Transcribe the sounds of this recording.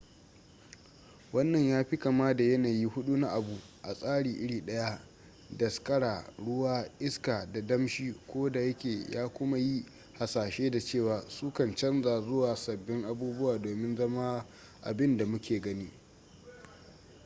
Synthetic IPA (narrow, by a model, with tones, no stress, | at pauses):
wɐ˦nːɐ˨ɲjaː˦ɸɪ˦ka˨maː˦da˨jɐ˦naː˨ji˦hʊ˦ɗu˦na˦ʔa˨bu˨ʔa˨sʼaː˦ɽiː˨ʔɪ˦ɽiː˨ɗɐ˦ja˦ | dɐ˨skʼɐ˦ɽaː˨ɽʊ˦waː˦ʔɪ˦skaː˨da˨dɐ˦mʃiː˦kʷoː˦da˨jɐ˦kʲeː˨ja̰ː˦kʷʊ˦ma˦ji˦ | ha˨saː˨ʃeː˦da˨t͡ʃeː˦˨waː˨suː˦kɐ˨nt͡ʃɐ˦nzaː˨zʊ˦waː˨sɐ˨bːɪ˦ŋʔa˨buː˦bʊ˦waː˨doː˨mɪ˦nzɐ˦ma˦ | ʔa̰˨bɪ˦nda˨mʊ˦kʲeː˨ɡɐ˦niː˦